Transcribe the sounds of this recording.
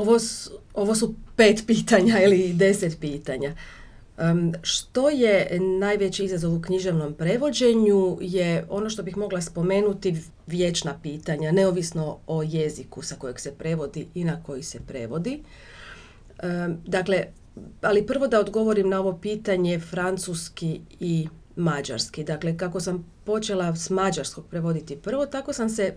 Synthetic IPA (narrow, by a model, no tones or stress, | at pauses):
oʋoso̞ʋos̬upe̞ːt̪piːt̪aɲailid̪e̞set̪piːt̪aɲa | ʃt̪o̞je̞naːjʋe̞t͡ɕiizazo̞ʋukɲiʒe̞ʋno̞mpɾe̞ʋo̞d͡ʑe̞ɲujeo̞no̞ʃt̪o̞bixmo̞ɡlˠaspo̞me̞ːnut̪i | ʋje̞t͡ʃnapiːt̪aɲane̞oʋisno̞oje̞zikusako̞jeɡsepɾe̞ʋo̞d̪iʔinako̞jisepɾe̞̰ʋo̞d̪i | d̪akle̞ | alipr̩ʋo̞d̪ao̞d̪ɡo̞ʋo̞ɾimnao̞ʋo̞piːt̪aɲe̞fɾant̪suskii | mad͡ʒa̰ɾskid̪akle̞kako̞sampo̞t͡ʃe̞lasmad͡ʒaɾsko̞ɡ̚pɾe̞ʋo̞d̪it̪ipr̩ʋo̞t̪ako̞samse̞